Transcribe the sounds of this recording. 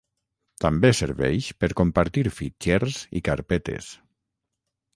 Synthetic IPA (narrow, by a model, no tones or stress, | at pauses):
t̪ambeseɾβɛ̰ʃpeɾkompaɾt̪iɾfit͡ʃɛɾzḭkaɾpɛt̪ḛs